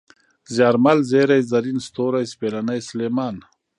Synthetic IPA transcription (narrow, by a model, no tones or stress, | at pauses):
zjaːɾmalzeːɾajzɐɾinst̪oːɾajspeːlanajsleːmaːn